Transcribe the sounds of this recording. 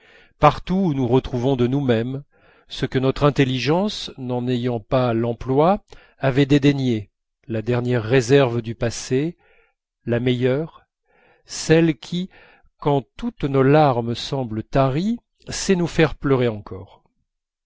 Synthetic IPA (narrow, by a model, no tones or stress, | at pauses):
paʁt̪unuʁət̪χuvɔ̃d̪ənumɛm | səkənɔt̪χɛ̃t̪eliʒɑ̃snɑ̃nejɑ̃palɑ̃plwaː | vɛd̪ed̪eɲe | lad̪ɛʁnjɛʁːezɛʁvd̪ypase | lamɛjœʁ | sɛlkʲʰi | kɑ̃t̪ut̪nolaʁmsɑ̃blət̪aʁi | sɛnufɛʁplœʁeɑ̃kʰɔːʁ